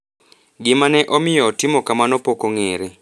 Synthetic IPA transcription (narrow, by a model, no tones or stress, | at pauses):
ɡimanɛʔɔmijɔtimɔkamanɔpɔkɔŋeːɾɛ